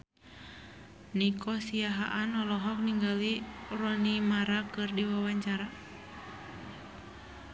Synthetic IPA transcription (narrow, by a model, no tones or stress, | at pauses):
nikʰɔsiaɦaʔanɔlɔɦɔk̚niŋɡalirɔnimaɾakɨrdiwawaɲt͡ʃaɾa